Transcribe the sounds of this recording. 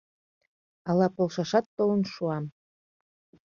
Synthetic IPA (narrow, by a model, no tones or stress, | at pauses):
ɑlɑpolʃɑʃɑt̪ːolə̆nʃuɑm